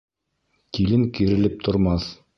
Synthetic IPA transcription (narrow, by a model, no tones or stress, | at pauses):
t̪ilɘŋkiɾɘ̆lɘp̚t̪ʰŏɾmɑθ